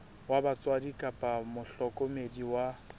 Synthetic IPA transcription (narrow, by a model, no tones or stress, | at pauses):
wabat͡sʼwadikʼapʼamʊɬɔkʼomediwa